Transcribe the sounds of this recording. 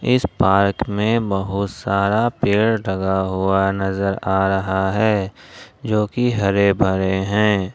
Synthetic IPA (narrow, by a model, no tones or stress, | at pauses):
ɪspaːɾkmẽbɐɦʊt̪saːɾapeːɽɖʱɐɡaɦuanɐzəɾaːɾɐɦaɦɛːd͡ʒoːkiɦɐɾebʱɐɾeɦɛ̃ː